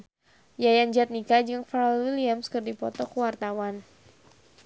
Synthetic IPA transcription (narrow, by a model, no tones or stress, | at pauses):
jajand͡ʒat̪̚nikad͡ʒɨŋfaɾlwiliamskɨrdipɔt̪ɔkəwart̪awan